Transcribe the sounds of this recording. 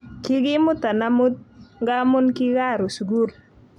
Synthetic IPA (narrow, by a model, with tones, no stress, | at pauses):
ki˦ɡɪ˦mʊ˦t̪a˨na˦mʊ˦t̪̚ŋɡa˦mʊ˦nki˦ɣa˦˨ɾo˨su˨ɡu˦r